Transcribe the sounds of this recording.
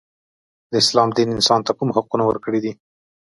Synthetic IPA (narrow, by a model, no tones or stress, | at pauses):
d̪əɪslɑmd̪inɪnsɑnt̪akumɦaqunawə̰ɾkəɽid̪i